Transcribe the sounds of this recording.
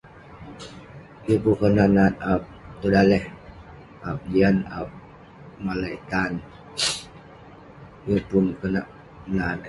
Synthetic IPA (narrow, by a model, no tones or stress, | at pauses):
jəpukənaʔnat̪̚ap̚t̪udalɛh | ʔap̚d͡ʒiana̰p̚ | malait̪an | jəpunkənaʔ | nat̪̚